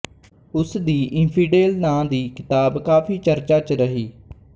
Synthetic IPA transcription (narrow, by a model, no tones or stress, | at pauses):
ʊsd̪iːʔɪ̃npʰiːɖeːlnãːd̪iːkɪt̪aːbkaːfiːt͡ʃəɾt͡ʃaːt͡ʃɾəɦiː